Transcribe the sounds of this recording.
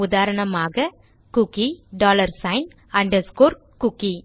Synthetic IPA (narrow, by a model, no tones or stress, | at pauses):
ʊðaːɾɐɳɐmaːɣɐ | kʊkiɖaːlɐɾsɐɪn | ɐɳɖɐɾskoːɾ | kʊkːi